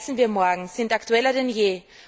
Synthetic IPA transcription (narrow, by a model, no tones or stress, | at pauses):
sn̩viːɐmɔɐɡŋ̩z̥ɪntaktuɛlɐdenjeː